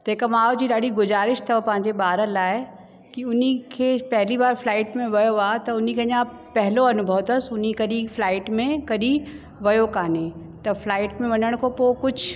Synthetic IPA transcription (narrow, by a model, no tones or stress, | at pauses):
t̪ɐɦkɐmaːod͡ʑiːɗaːɗiɡʊzaːɾɪʃt̪ɐpɐ̃ɦɪ̃ɲd͡ʑeɓaːɾəlaːɪ | kiʊn̤ikʰeːpɐɦɪlibaːɾflaːɪʈmẽʋɐjoaːt̪ɐʊn̤ikʰeɐɲã | pɛɦɪloɐnʊbʱəʋt̪ɐsʊn̤ikɐɗĩflaːɪʈmẽkɐɗĩ | ʋɐjokaːne | t̪ɐflaːɪʈmẽʋɐɲəɽ̃kʰopokʊd͡ʑʱ